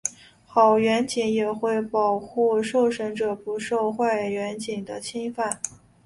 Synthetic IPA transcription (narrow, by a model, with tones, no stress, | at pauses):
xɑ˨˩ʊɥɛ˧˥nt͡ɕi˧˥ŋjɛ˨˩xwe˥˩ɪpɑ˨˩ʊxu˥˩ʂo˥˩ʊʂə˧˥ŋʈ͡ʂɤ˨˩pu˧˥ʂo˥˧ʊxwa˥˩ɪɥɛ˧˥nt͡ɕi˨˩ŋd̪ə˦t͡ɕʰi˥ŋfa˥˩n